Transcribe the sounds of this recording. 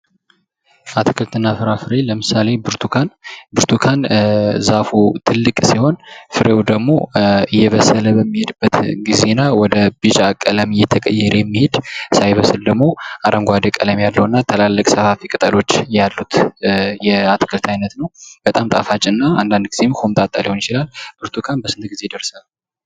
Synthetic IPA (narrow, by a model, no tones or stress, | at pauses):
ʔat̪ʰɨkʰɨlt̪ʰɨnːafɨɾafɨɾe̞ləmɨsale̞bɨɾt̪ʰukʰanbɨɾt̪ʰukʰanzafut̪ʰɨlːɨkʼsiho̞nfɨɾʔewd̪əɡmo̞ɨjːɛβəsələbəmːihed̪ɨbːət̪ɡize̞nawɔd̪əbɨt͡ʃʼakʼːələmɨjɛt̪ʰəkʼə̰jɛɾjɛmːihed̪sajβəsɨld̪əɡmo̞ʔaɾʔəŋɡʷad̪əkʼələmjalːəwnːat̪ʰəlalːəkʼsəfafikʼɨt̪ʼəlo̞t͡ʃːjalːut̪jɛat̪kʰəlt̪ʰajnət̪nəwb̥ət̪ʼamt̪ʼafat͡ʃʼɪnːaand̪and̪ɡize̞mkʰomt̪ʼat̪ʼːaliho̞njɪt͡ʃɪlalbɨɾt̪ʰukʰanbəsɨnt̪ɡize̞d̪əɾsa